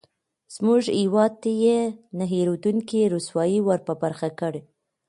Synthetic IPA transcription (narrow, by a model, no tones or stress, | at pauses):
z̥muʒhewɑd̪̚t̪ajenaɦiɾod̪uŋkiɾuswɑjiwaɾpəbaɾxakəɽe